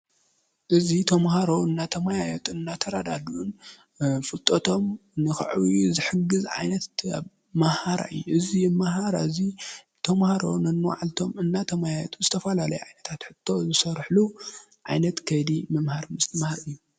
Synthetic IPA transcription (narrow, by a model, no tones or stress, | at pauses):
ʔɨzit̪ʰɐmɦaɾo̞ɨnːat̪ʰɐmajajɛt̪ʼɨnːat̪ʰɐɾad̪ad̪ʔun | fɨlt̪ʼot̪ʰo̞mnɨxɨ̰ʕwjuzɨħɨɡɨzʕa̰jnɐt̪aβ | mahaɾa̰ɨjːuʔɨzimaɦaɾaɨzi | t̪ʰɐmhaɾo̞̰nɐnːɨwa̰ʕalt̪ʰo̞mɨnːat̪ʰɐmajajɛ̰t̪ʰʼuzɨt̪ʰɐfɐlalɐjuʕajnɐt̪ʰat̪ħɨt̪ʰːo̞zɨsɐɾħlu | ʕajnɐt̪kʰɐjd̪imɨmhaɾmɨst̪ɨmahaɾɨjːu